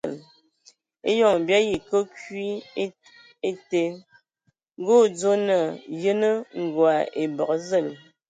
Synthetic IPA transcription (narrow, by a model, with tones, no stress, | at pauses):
l | ḛ˦jɔ˦˨ŋ˨bja˦ji˨kə˦kɥi˦ | e˦te˦ | ŋ˦ɡo˦˨d͡zo˦nə˨jə˦nə˦ŋ̩˨ɡwa˨ʔe˨bɔ˨k̚zə˦˨l